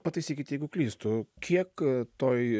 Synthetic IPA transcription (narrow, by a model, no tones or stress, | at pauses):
pɐt̪ɐɪsʲiːkʲɪt̪ʲeɡʊklʲiːst̪ʊkʲʰiɛkt̪oj